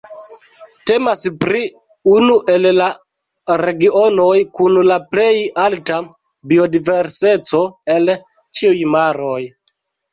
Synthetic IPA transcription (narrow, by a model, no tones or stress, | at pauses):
te̞maspɾi | unuʔe̞lla | ɾe̞ɡio̞no̞jkunlaple̞jalta | bio̞dive̞ɾse̞t͡so̞e̞l | t͡ʃiujmaɾoj